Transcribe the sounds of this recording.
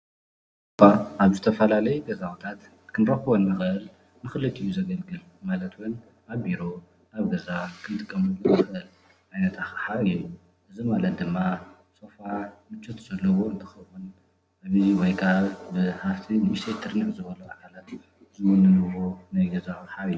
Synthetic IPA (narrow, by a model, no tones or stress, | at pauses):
baʔaβzɨt̪ʰɐfɐlalɐjuɡɐzawut̪ʰat̪ | kʰɨnɾɐxɨβonːɨxɨʔɨl | mɨxɨlɨt̪ʼijːuzɐɡɐlɡɨl | malɐt̪wun | aβbiɾo̞ | aβɡɐzakʰɨnt̪ʼɨkʼːɐmuɨɨxɐʔɨl | ʕajnɐt̪ʰaxħaiju | ʔɨzimalɐt̪̚d̪ɨmːa | so̞famɨt͡ʃːɐt̪ʰz̥ɐlːɐwo̞ɨnt̪ʰɨ̥xɐwun | ʔaβiwɔjkʰaβbɨhaft̪ʰiniʃt̪ʰet̪ʰɨɾnɨħzɨbɐluakʰalat̪ | zɨwʊnɨnɨwonajɡɐzaħaβijːu